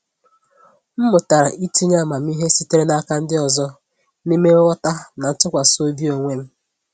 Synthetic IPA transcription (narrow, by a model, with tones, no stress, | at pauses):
m̩˦mʊ˨ta˨ɾa˨ʔi˦ti˦ɲa˦˨ma˨m̩˦i˦ɦe˦si˦te˦ɾe˦na˦ka˦n̩˦dɪ˦ɔ˨zɔ˦ | ni˦me˦wɔ˦ta˦na˨n̩˦tʊ˦kʷa˨so˦bi˦o˨ŋʷe˦m̩˦